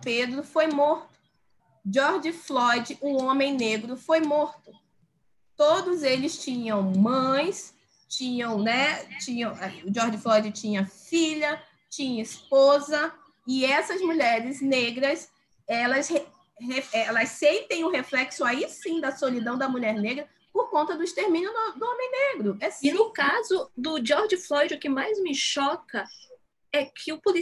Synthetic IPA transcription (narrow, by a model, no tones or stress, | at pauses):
ped̪ɾʊfojmoɾt̪ʊ̥ | d͡ʒɔɾd͡ʒɪflɔjd͡ʒɪʔʊ̃õmẽj̃neɡɾʊfojmoɾt̪ʊ | t̪od̪ʊzelɪst͡ʃĩɲɐ̃w̃mɐ̃j̃s | t͡ʃĩɲɐ̃w̃nɛt͡ʃĩɲɐ̃w̃ʊd͡ʒɔɾd͡ʒɪflɔjd͡ʒɪt͡ʃĩɲɐfiʎɐ | t͡ʃĩɲɐispozɐ | ɪɛsɐzmuʎɛɾɪzneɡɾɐs | ɛlɐsh | heɛlɐsːẽnt̪ẽj̃ʊɦeflɛksʊaisĩd̪ɐsolid̪ɐ̃w̃d̪ɐmuʎɛɾneɡɾɐ | poɾkõnt̪ɐd̪ʊist̪eɾmĩɲʊd̪d̪ʊõmẽj̃neɡɾʊɛsnʊkazʊd̪ʊd͡ʒɔɾd͡ʒɪflɔjd͡ʒɪʊkɪmajzmɪʃɔkɐ | ɛkʰɪʊpuli